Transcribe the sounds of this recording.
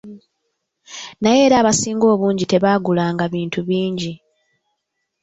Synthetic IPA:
naje̞ːɾaːβasiːŋɡo̞ːβuːɲɟite̞βaːɡulaːŋɡaβiːntuβiːɲɟi

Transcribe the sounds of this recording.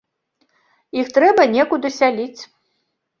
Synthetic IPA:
ixt̪ɾɛbɐnʲɛkud̪ɨsʲalʲit͡sʲ

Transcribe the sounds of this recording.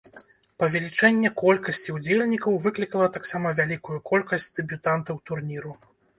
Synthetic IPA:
pɐvʲɛlʲit͡ʂɛnʲːɛkɔlʲkɐsʲt͡sʲiud͡zʲelʲnʲikɐwvɨklʲikɐlˠɐt̪aksamɐvʲalʲikujukʰɔlʲkɐsʲt͡sʲd̪̥ɛbʲut̪ant̪ɐwt̪urnʲiɾu

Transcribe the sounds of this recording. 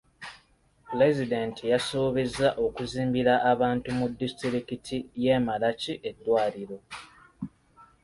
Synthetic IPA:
ple̞zideːntʰijaso̞ːβe̞zaʔo̞kuziːmbiɾaʔːβaːntumudːistiɾikitʰije̞ːmalaciʔe̞dːwaːliɾo̞

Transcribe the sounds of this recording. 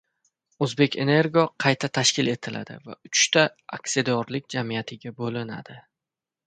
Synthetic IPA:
ɵzbe̞kʲe̞ne̞ɾɡoqʰɑjt̪ʰat̪ʰaʃkʲɪle̞t̪ʰɪlʔa̰d̪ɪ̰va̰ʊt͡ʃt̪aaksed̪ɒɾlɪk̚ʲd͡ʒamijat̪ʰɪɡʲabolɪna̰d̪̥ɪ

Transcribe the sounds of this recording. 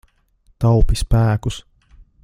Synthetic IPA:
t̪ɑwpispæːkus

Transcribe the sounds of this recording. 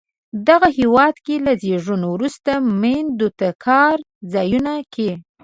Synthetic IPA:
d̪aɣahewɑd̪kelazeʐunowɾust̪amend̪ut̪akʰɑɾ | zɑjunakʰe

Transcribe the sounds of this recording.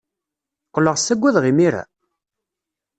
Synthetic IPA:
qːələʁsːæɡʷːæðʁimiɾæ̰

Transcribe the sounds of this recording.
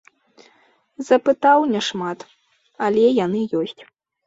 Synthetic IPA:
z̥ɐpɨt̪awnʲɛʂmat̪ | ɐlʲɛjanɨjɔsʲt͡sʲ

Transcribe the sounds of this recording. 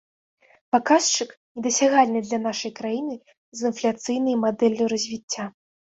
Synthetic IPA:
pakast͡ʂɨknʲɛd̪ɐsʲaɣalʲnɨd̪lʲɐn̪aʂɐjkɾajinɨ | zɨnflʲat̪sɨjnɐjmad̪ɛlʲːuɾɐzʲvʲit͡sʲːa

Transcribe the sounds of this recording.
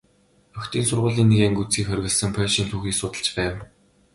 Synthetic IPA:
œxʲt̪iːnsʊrʁʊːɮiːnːeɣeːŋɡut͡siːkχœrʲɣʲɘ̆ɮsə̆ŋpʰœʃiːnt̪ʰuːxiːksʊːt̪ə̆ɬt͡ɕpæːw

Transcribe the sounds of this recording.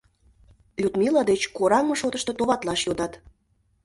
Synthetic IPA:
lut̪milɑd̪et͡ɕkoɾɑŋɤʃot̪ə̆ʃt̪ɤt̪oβɑt̪lɑʃjod̪ɑt̪

